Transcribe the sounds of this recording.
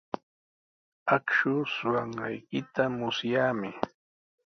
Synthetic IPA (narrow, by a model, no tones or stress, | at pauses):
akʃʊsʊɢɑɴɢɑjkɪt̪amʊsjaːmɪ